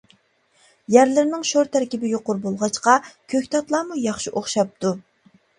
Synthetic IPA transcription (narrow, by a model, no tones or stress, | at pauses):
jæɾlɪɾnɪŋʃoɾt̪ʰæɾkʲibɪjoqʊɾbolˠʁɑt͡ʃqɑkʲʰøkʲt̪ʰɑt̪lˠɑːmujɑχʃiʔoχʃɑp̚t̪ʰu